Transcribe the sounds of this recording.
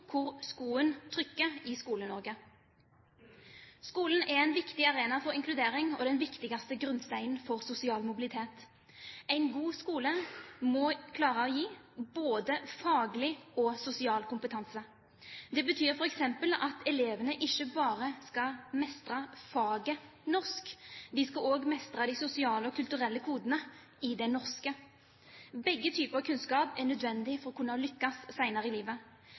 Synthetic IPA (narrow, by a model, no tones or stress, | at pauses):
kʰʊʁskuːənt̪ʰʁʏkːəʁɪskuːlənɔʁɡə | skuːln̩ɛʁæɪnʋɪkt̪ɪɑʁeːnɑfɔʁɪŋkʰlʉd̪eːɾɪŋɔd̪ɛnʋɪkt̪ɪɡɑst̪əɡʁʉnst̪æɪnfɔʁsʊsɪɑːlmʊbɪlɪt̪ʰeːt̪ | æɪnɡuːskuːləmɔkʰlɑːʁəɔjiːboːd̪əfɑːɡlɪɔsʊsɪɑːlkʰʊmpət̪ʰɑnsə | d̪ɛbət̪ʰyːɾfɔʁɛksɛmpəlɑt̪ʰɛleːʋənəʔɪçːəbɑːʁəskɑmɛst̪ʁɑfɑːɡə | nɔʁskd̪ɪskɑoːɡmɛst̪ʁɑd̪ɪsʊsɪɑːləɔkʰʉlt̪ʉʁɛlːəkʰuːd̪ənə | ɪd̪ɛnɔʁskə | bɛɡːət̪ʰyːpəʁɑkʰʉnskɑːpɛnœd̪ʋɛnd̪ɪfɔʁɔkʰʉnːəɔlʏkːɑsːæɪnɑʁəɪliːʋə